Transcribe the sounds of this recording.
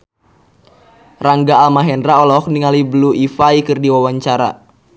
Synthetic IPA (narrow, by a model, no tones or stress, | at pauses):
raŋɡaːlmaɦɛndɾaɔlɔkniŋalibluʔifaikɨrdiwawaɲt͡ʃaɾa̰